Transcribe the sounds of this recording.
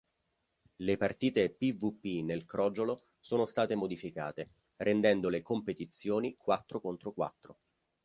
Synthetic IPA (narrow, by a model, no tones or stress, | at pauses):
lepart̪iːt̪epivupːinelkɾɔd͡ʒolo | soːnost̪aːt̪emod̪ifika̰ːt̪e | ɾʔend̪ɛnd̪olekompet̪it̪sːjoːnikwat̪ːɾokont̪ɾokwa̰t̪ːɾo